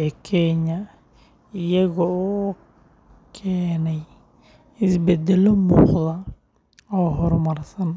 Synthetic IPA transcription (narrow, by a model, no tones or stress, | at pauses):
ɛkʰɛɲɐ | ɪjɐɣɔɔː | kʰɛːnɛj | ɪsbɛd̪ɛlɔmuːqðɐ | ɔːɦɔrmɐrsɐn